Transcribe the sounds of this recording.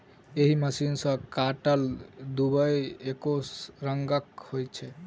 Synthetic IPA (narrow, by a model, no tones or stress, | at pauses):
eɦiməsinsə̃kaʈəld̪ubəjekosɾəŋɡəkhojt͡ʃʰɛ